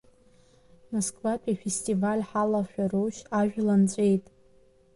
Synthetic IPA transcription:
moskʼvatʰʼifestʼivalʲħalaʃᶣaroʃaʒᶣlant͡sʷʼe̞jtʼ

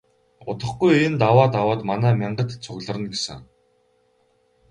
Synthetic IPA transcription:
ʊ̰t̪ə̆χɡujeent̪awaːt̪awaːt̪manæːmʲiɴɢə̆t̪t͡sʰʊɣɮə̆rə̆nɡesɘ̆ŋ

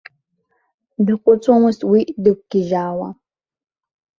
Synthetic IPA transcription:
dɨqʷʼʊt͡sʼɔmɨstwidɨk̚ʷkiʒaːwɐ

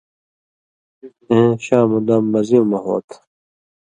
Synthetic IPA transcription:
ẽːɕaːmũd̪amːɐziũmɐɦo̰ːt̪

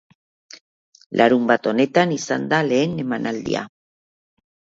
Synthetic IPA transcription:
lʔaɾumbat̪o̞ne̞t̪anisa̰nd̪ale̞ːne̞manʔald̪ḭa̰

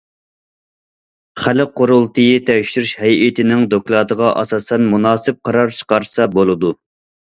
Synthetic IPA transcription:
χælɨqːoɾulˠt̪ʰɨjit̪ʰɛʃyɾyʃhɛjit̪ʰɪnɪŋd̪oklˠɑd̪əʁɑʔɑ̰sɑːsɛnmunɑːsɨp̚qʰɑɾɑɾt͡ʃʰə̥qɑɾsɑbolˠɨd̪u

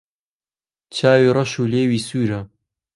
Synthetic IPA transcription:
t͡ʃʰaːwiːrˤɐʃuːleːwiːsuːɾɐ

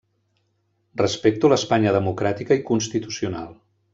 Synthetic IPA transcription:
rəspek̚t̪uləspaɲəðəmukɾat̪ikəikunst̪it̪usiuna̰lˠ

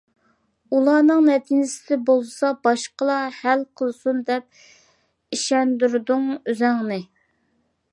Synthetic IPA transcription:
ulˠɑːnɨŋmɛt̪ʰinɪsɪd̪ɪbolˠsɑbɑʃqəlˠɑhælqʰəlˠsund̪ɛp̚ | iʃɛnd̪yɾd̪uŋyzæŋnɪ

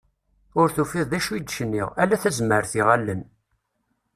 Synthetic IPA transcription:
ʊɾθufiðˤðæʃud̪ʃənːḭʁælæθæzməɾθiʁælːən

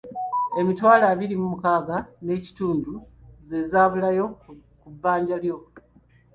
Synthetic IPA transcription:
e̞mitwaːlaβiɾimumukaːɡane̞ːci̥tuːndu | ze̞zaːβulajo̞ | kubːaːɲɟaljo̞

